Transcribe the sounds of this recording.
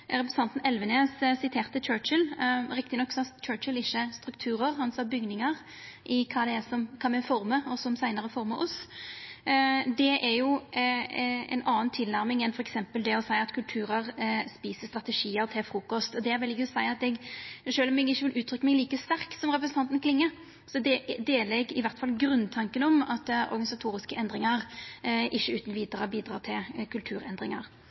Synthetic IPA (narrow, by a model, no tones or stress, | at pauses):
ɾɛpɾəsnɑnt̪n̩ɛlʋəneːssɪt̪ʰeːʁt̪ət͡ʃʰøːt͡ʃəlɾɪkt̪ɪnɔkːsɔɑt͡ʃʰøːt͡ʃəlɪçːəst̪ɾʉkt̪ʰʉːɾəʁhɑnsɑbʏɡnɪŋəʁ | ʔɪkʰɑːd̪ɛæsɔmkʰɑːmɛfɔɾməɔsɔmsæɪnəʁəfɔɾməʔɔs | d̪ɛʔæɾjʊ | ɛ̰ɪnʔɑːnt̪ʰɪlnæɾmɪŋɛnfɔɾɛksɛmpəld̪ɛɔsæɪɑt̪kʰʉlt̪ʰʉːɾəɾspiːsəst̪ɾɑt̪əʂiːəɾt̪ʰɪlfɾuːkɔst̪ɔd̪ɛæɾʋɛlɪɡəsæɪɑt̪ɛɡʂøːlɔmɛɡɪçːəʋɪlʔʉːt̪ʰɾʏkːəmɛɡliːkəst̪æʁkt̪sɔmʁɛpɾəsənt̪ʰɑnt̪nkʰlɪŋːə | sɔd̪ɛd̪eːləɛɡɪʋæʁt̪fɑlɡɾʉnːt̪ʰɑŋkənɔmɑt̪ɔ̰ɾɡɑnɪsɑt̪ʰuːɾɪskəʔɛnd̪ʁɪŋəɾʔɪçːəʉːt̪nʋiːd̪ɾəbiːd̪ɾɑːt̪ʰɪlkʰʉlt̪ʰʉːɾɛ̰nd̪ɾɪŋɑɾ